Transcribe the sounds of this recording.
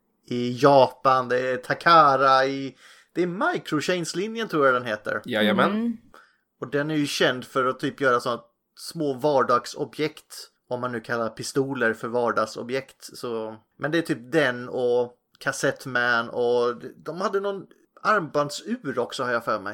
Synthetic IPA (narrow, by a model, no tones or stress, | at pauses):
ɪjɑːpand̪ɛt̪ʰakʰaːɾaɪ | d̪̥ɛæɾmajkʰɾʊɕɛjnslɪnjənt̪ʰɾuːɾjad̪ɛnheːt̪ə̰ɾjamɛn | ɔd̪ɛnæɾjɵɕɛnd̪fœɾɔt̪ʰyːpjœːɾasɔnːa | smoːvɑːɖɑːɡsɔ̰bjɛkt̪ | ɔmːanːʉ̟ːkʰalːaɾpʰɪst̪uːləɾfœɾvɑːɖɑːɡsɔ̰bjɛkt̪sɔ | mʔɛnd̪ɛæt̪ʰyːp̚d̪ɛnɔ | kʰasɛt̪ːmænɔd̪ɛd̪ɔmhad̪ːənɔn | aɾmband̪sʉ̟ːɾɔksɔhaɾjafœːɾmɛ̰j